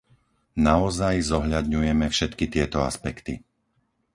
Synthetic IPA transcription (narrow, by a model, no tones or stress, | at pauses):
naɔzajzɔɦʎad̪ɲujɛmɛfʃɛt̪kit̪ɪɛt̪ɔa̰spɛkt̪i